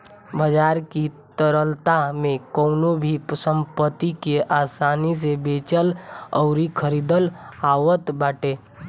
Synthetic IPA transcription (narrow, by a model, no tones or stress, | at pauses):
bəd͡ʒaːɾkit̪əɾəlt̪amẽkɔʊnobʱipəsə̃mpət̪ikeʔaːsaːnis̬ebeːt͡ʃəlɔʊɾikʰəɾiːd̪əlaːwət̪baːʈeː